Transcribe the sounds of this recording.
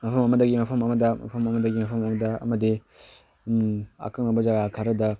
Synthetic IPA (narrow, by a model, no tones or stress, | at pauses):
mɐpʰɐmɐmɐdɐɡimɐpʰɐmɐmɐdɐmɐ̰pʰɐmɐmɐdɐɡimɐpʰɐmɐmɐdɐɐ̰mɐdi | a̰kaŋɐbɐzaɡakʰaɾɐdɐ